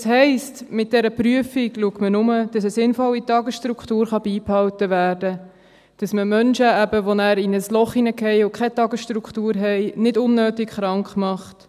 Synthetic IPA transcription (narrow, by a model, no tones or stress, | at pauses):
sɦɛɪstmɪt̚d̥ɛɾəpryəfiɡluəktmənʊməd̥ɑsəsɪnfɔlːitɑɡəsʃtɾukχtuːɾχɑbiːphɑwtəʋæːɾdə | d̥ɑsməmœnʃəæbəʋonæːɾɪnəslɔχinəkɛɪʊkχɛtɑɡəsʃtɾukχtuːɾɦɛɪnɪdʊnːøːtikχɾɑŋkχmɑχt